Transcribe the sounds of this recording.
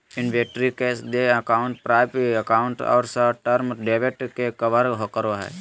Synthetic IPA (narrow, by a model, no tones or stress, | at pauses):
ɪnʋeːʈɾikeːsd̪eəkaːʊɳʈpɾaːpiɐkaːʊɳʈɔ̰ːɾsəʈəɾmɖeːʋeʈkekɐʋəɾɦokəɾoɦɛ̰ː